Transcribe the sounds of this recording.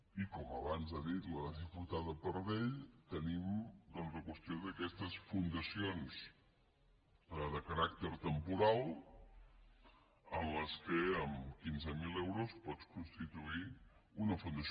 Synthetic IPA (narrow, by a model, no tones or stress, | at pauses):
ikɔməβanzaðit̪ləðəzifut̪aðəpəɾðeʎt̪ənimd̪ɔnzləkwəst̪ioðəkɛst̪əsfund̪əsions | əðəkəɾak̚t̪əɾt̪əmpuɾalˠ | ənləskəəmkinzəmilɛwɾuspɔt͡skunst̪it̪uiunəfund̪əs